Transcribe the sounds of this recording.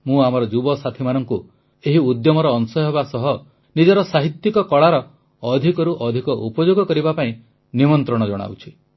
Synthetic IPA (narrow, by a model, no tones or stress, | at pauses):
mũamɔɾɔd͡ʒubɔsat̪ʰimanɔŋku | eɦiud̪jɔmɔɾɔːnsɔɦebasɔɦɔ | nid͡ʒɔɾɔsaɦit̪jikɔkɔɭaɾɔː | d̪ʱikɔɾuʔɔd̪ʱikɔʔupɔd͡ʒoɡɔkɔɾibapaĩ | nimɔnt̪ɾɔɽ̃ɔd͡ʒɔɽ̃a̰wt͡ʃʰi̥